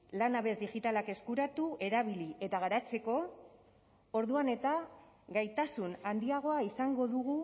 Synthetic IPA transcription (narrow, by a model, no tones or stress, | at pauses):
lanaβe̞zd̪iʝit̪alake̞skuɾat̪ue̞ɾaβ̞ilie̞t̪aɣ̞aɾat͡se̞ko̞ | o̞ɾðuane̞t̪a | ɡajt̪asunand̪iaɣ̞o̞aisaŋɡo̞ðuɣ̞u